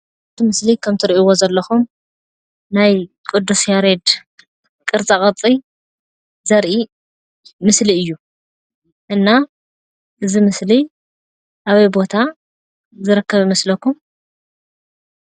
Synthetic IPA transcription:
t̪ʰimɨslikʰɐmt̪ʰɨɾʔiwo̞zɐlːɐxum | naj | kʼɨd̪ːusjaɾed̪ | kʼɨɾt͡sʼakʼɐt͡sʼi | zɐɾʔi | mɨsliɨjːu | ʔɨnːa | ʔɨzimɨsli | ʔaβɐjbo̞t̪ʰa | zɨɾɨkʰːɐβjɪmɐslɐkʰːum

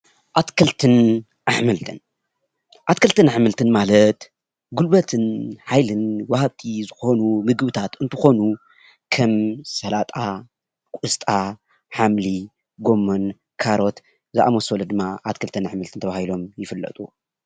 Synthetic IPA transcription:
ʔat̪kʰɐlt̪ʰɨn | ʔaħmɨlt̪ʰɨn | ʔat̪kʰɐlt̪ɨnaħmɨlt̪ʰɨnmalɐt̪ | ɡulbɐt̪ʰɨnħajlɨnwahabt̪ʰizɨxo̞numɨɡbɨt̪ʰat̪ɨnt̪ʰɨxo̞nu | kʰɐmsɐlat̪ʼa | kʷʼɨst̪ʼa | ħamli | ɡo̞mːon | kʰaɾo̞t̪ | zɨʔa̰mosolɐd̪ɨmːaʔat̪kʰɨlt̪ʰɨnaħmɨlt̪ʰɨnt̪ʰɐβahilo̞mjɪfɨlːɐ̰t̪ʼu

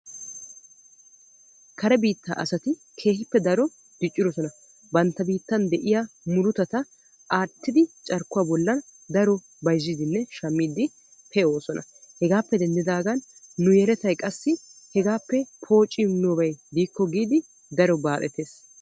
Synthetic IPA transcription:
kɐɾɛbiːt̪ːa̰ːʔɐsɐt̪ɪ | kʰe̞ːhɪpːɛd̪ɐɾɔ | d̪̥ɪt͡ʃʼːɪɾɔsɔnɐ | bɐnt̪ːɐbiːt̪ːɐnd̪ɛʔɪjamʊɾʊt̪ɐt̪ɐ | ʔaːt̪ːɪd̪ɪt͡ʃʼɐɾkːʊwabɔlːɐnd̪ɐɾɔ | bɐjzːɪd̪ɪnːɛʃɐmːiːd̪ɪ | pʰɛo̞ːsɔnʔɐ̰hɛɡaːpːɛd̪ɛnd̪ɪd̪aːɡɐnːʊjɛɾɛt̪ɐjkʼɐsːɪhɛɡaːpːɛpʰo̞ːt͡ʃʼːɪmnoːbɐjd̪iːkːɔɡiːd̪ɪ | d̪ɐɾɔbaːʔɛt̪e̞ːs

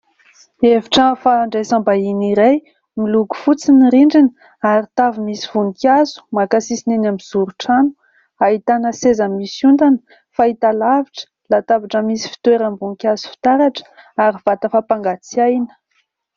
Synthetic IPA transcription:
eviʈ͡ʂəfaɳɖ͡ʐajsambainiɾaj | miluɡu̥fut͡siniɾiɳɖ͡ʐinə | aɾit̪avimisi̥v̥uŋkazu̥makasisinenamiz̥uɾuʈ͡ʂanu̥ | aɦit̪anəsezəmisund̪anə̥ | fait̪alaviʈ͡ʂə̥ | lat̪avaʈ͡ʂəmisi̥fi̥t̪weɾəmbuŋkʲazu̥fi̥t̪aɾaʈ͡ʂə̥aɾiv̥at̪əfapaŋɡat͡siajnə̥

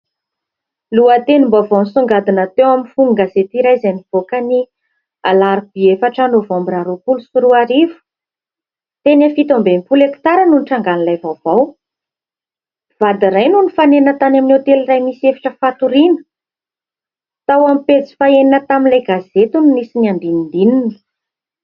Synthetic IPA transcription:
luat̪enimbavawnisuŋɡad̪inət̪ewamifuŋɡazet̪iɾajzaniv̥okəni | alaɾib̥iefaʈ͡ʂanovombiɾaɾupulusuɾuaɾivu̥ | t̪enafit̪ombempuleki̥t̪aɾənuniʈ͡ʂaŋɡanilajvavaw | v̥ad̪iɾajnunifanenət̪anaminet̪elirajmisiefḁʈ͡ʂəfat̪uɾinə̥ | t̪awamipet͡si̥faeninət̪aminlajɡazet̪unnisinand̪inind̪ininə̥

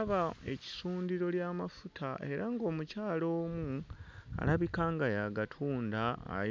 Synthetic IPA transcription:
βae̞̰ci̥suːndiɾo̞ljaːmafutʰaʔe̞ɾaŋɡo̞ːmucaːlo̞ːmua̰laβikaŋɡajaɡatʰuːnda̰ː

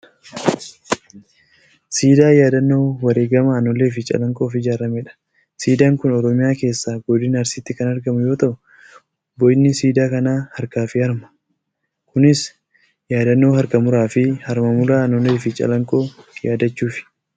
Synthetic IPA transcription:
siːd̪aːjaːd̪ɐnːo̞ːwɐɾeːɡɐmɐːnɔle̞ːfɪt͡ʃʼɐ̰lɐŋkʼo̞ːfɪd͡ʒaːɾɐmɛᶑɐ̥ | siːd̪aːŋkʊnɔɾɔmɪjaːke̞ːsːaːɡɔd̪ɪnɐɐɾsɪt̪ːɪkɐnɐɾɡɐmʊjo̞ːt̪ɐʔʊ | bɔʔɪnːɪsiːd̪aːkɐnaːhɐɾkaːfɪɐɾmɐ̥ | kʊnɪs | jaːd̪ɐnːo̞ːhɐɾkɐmʊɾaːfɪhɐɾmɐmʊɾaːɐnɔle̞ːfɪt͡ʃʼɐ̰lɐŋkʼo̞ːjaːd̪ɐt͡ʃːuːfɪ̥

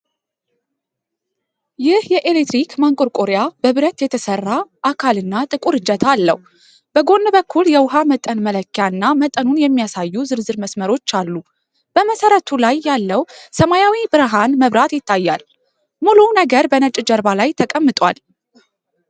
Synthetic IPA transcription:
jɪhjɛʔelet̪ɾikmaŋkʼoɾkʼoɾejab̥əβɨɾət̪jɛt̪ʰəsərːaʔakʰalɨnːat̪ʼɨkʼuɾɨd͡ʒət̪ʰalːə̰hu | b̥əɡo̞nːɨbəkʰːuljɛwʊɦamət̪ʼənmələkːjaɨnːamət̪ʼənunjɛmːijasajːuzɨɾzɨɾməsməɾo̞t͡ʃːalːu | b̥əməsəɾət̪ʰulajːalːəwsəmajawibɨɾɦanməβɾat̪jɪt̪ʰːajːal | mulunəɡəɾbənət͡ʃʼd͡ʒəɾbalajt̪ʰəkʼəmːɨt̪ʼwa̰l

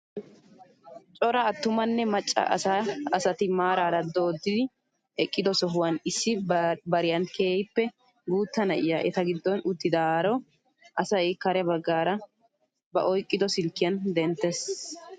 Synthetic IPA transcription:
t͡ʃʼɔɾɐːt̪ːʊmɐnːɛmɐt͡ʃʼːɐ̰ɐ̰saɐsɐt̪ɪmaːɾaːɾɐd̪o̞ːd̪ːɪd̪ɪ | ʔɛkʼːɪd̪ɔsɔɦʊwɐnɪsːɪbɐɾɪjɐnkeːjɪpːɛ | ɡuːt̪ːɐnɐʔɪjaːʔɛt̪ɐɡɪd̪ːɔnʊt̪ːɪd̪aɾɔ | ʔɐsɐjɪkɐɾɛbɐɡːaːɾɐ | bɐ̰ʔɔjkʼːɪd̪ɔsɪlkːɪjɐnd̪ɛnt̪ːɛs

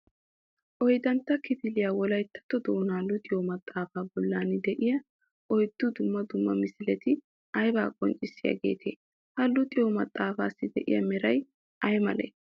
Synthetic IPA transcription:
ʔɔjd̪ɐnt̪ːɐkɪt̪ɪlɪjaːwɔlɐjt̪ːɐ̥t̪ːɔd̪oːnaːlːʊt̪ʼɪjoːmɐt̪ʼːaːfaːbɔlːaːnɪd̪ɛʔɪjɐ | ʔɔjd̪̥ːʊd̪ʊmːɐd̪ʊmːɐmɪsɪlɛt̪ɪ | ɐjba̰ːkʼɔnt͡ʃʼːɪsːɪja̰ɡe̞̰ːt̪ʰḛː | hɐlːʊt̪ʼɪjomɐt̪ʼːaːfa̰ːsːɪd̪ɛʔɪ̰jɐ̰mɛɾɐj | ʔɐjmɐlḛː

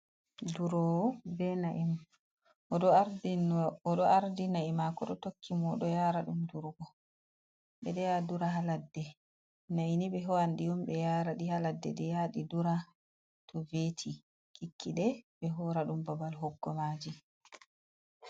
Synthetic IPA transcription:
duɾɔbɛnaʔim | ɗɔaɾdinɔɗɔaɾdinaimakɔɗɔtokʰːimɔɗɔjaːɾaɗumduɾuɡɔ | ɓɛɗɛjaduɾaɦaladːɛ | nainibɛɦɔandijumbɛjaːɾaɗihaladːɛdɛjaɗiduɾa | tʰɔvetʰi | kʰikʰːiɗɛbɛɦɔɾaɗumbɔbalɦɔɡːɔmaːd͡ʒi

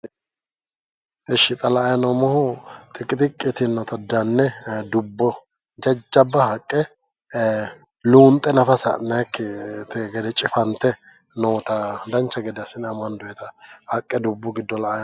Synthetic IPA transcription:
ɛʃɪt̪ʼɐlɐːjɐnɔmɔhʊt̪ʼɪkʼːɪt̪ʼɪkʼːɪt̪ɪnːɔt̪ɐd̪ɐnːɛd̪ʊbːɔ | d͡ʒɐd͡ʒːɐbːɐhɐkʼːɛ | luːnt̪ʼːɛnɐfɐsɐ̰nɐjkːɪt̪ɡɛd̪ɛt͡ʃʼɪfɐnt̪ːɛ | noːt̪ɐd̪ɐnt͡ʃːɐɡɛd̪ɐsɪnɐmɐnd̪ʊjɛt̪ɐhɐkʼːɛd̪ʊbːɔɡɪd̪ːɔlɐɐj

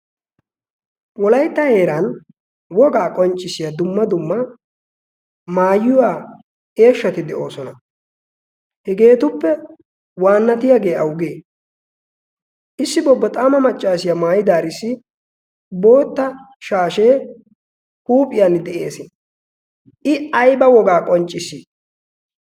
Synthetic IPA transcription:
wɔlɐjt̪ːɐhe̞ːɾan | wɔɡaːkʼɔnt͡ʃʼːɪsɪjad̪ʊmːɐd̪ʊmːɐ | maːjʊwaː | e̞ːʃːɐt̪ɪd̪ɛʔo̞ːsɔnɐ | hɛɡe̞ːt̪ʊpːɛ | waːnːɐt̪ɪjaːɡe̞ːɐwɡeː | ʔɪsːɪbɔbːɐt̪ʼaːmɐmɐt͡ʃʼːaːsɪjamaːjɪd̪aːɾɪsːɪ | bo̞ːt̪ːɐ | ʃaːʃeː | huːpʼɪjand̪ɛʔe̞ːsɪ | ʔɪɐjbɐwɔɡaːkʼɔnt͡ʃʼːɪsiː

